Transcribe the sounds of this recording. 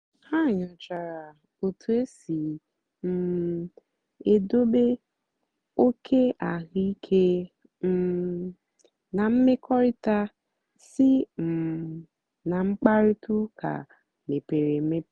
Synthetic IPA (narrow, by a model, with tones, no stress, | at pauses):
ha˦˨ɲʊ˨t͡ʃa˨ɾa˨ | o˨tʰu˨e˦si˨ | m̩˦ | e˨do˦be˦ | o˦kʰe˦a˨ɣi˦i˦kʰe˦ | m˦ | na˨m̩˦me˦kʰɔ˦ɾi˦ta˦ | si˦m̩˨ | na˨ŋ͡m̩˦k͡pa˦ɾi˦tu˦kʰa̰˨ | me˨pe˨ɾe˨me˦